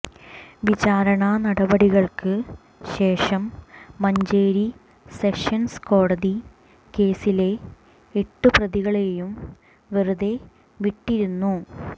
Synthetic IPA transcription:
ʋid͡ʑaːɾɐɳɐnɐɽɐbɐɽiɣɐɭkɨ | ɕe̞ːʂɐmːɐɲd͡ʑeːɾi | se̞ʂɐnsko̞ːɽɐði | ke̞ːsile̞ː | ʈːɨprɐðiɣɐɭejum | ʋeruðe̞ | ʋiʈːiɾunːu

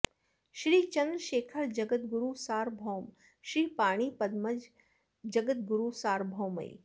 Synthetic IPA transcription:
ʃɾiːt͡ʃɐnd̪ɾəʃeːkʰəɾd͡ʒɐɡət̪̚ɡʊɾusaːɾbʱoːm | ʃɾiːpaːɽ̃iːpɐd̪mɐd͡ʒ | d͡ʒɐɡət̪̚ɡuɾusaːɾbʱowmɐ̰j̰

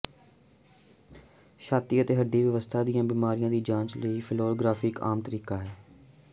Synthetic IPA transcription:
ʃaːt̪iːət̪eːɦəɖːiːʋjəʋəst̪ʰaːd̪ɪjãːbiːmaːɾijãːd̪iːd͡ʒãːt͡ʃləiːpʰɪloːlɡɾaːfɪka̰ːmt̪əɾiːkaːɦɛː

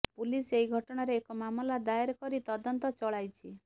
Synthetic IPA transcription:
puliseiɡʱɔʈɔɽ̃aɾeːkɔmamɔlad̪aeɾkɔɾit̪ɔd̪ɔnt̪ɔt͡ʃɔɭajt͡ʃʰi

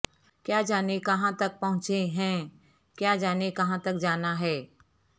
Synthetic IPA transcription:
kjaːd͡ʒaːnekɐɦãt̪ɐk̚pɐɦʊ̃t͡ʃeɦɛ̃ː | kjaːd͡ʒaːnekɐɦãt̪ɐk̚d͡ʒaːnaɦɛː

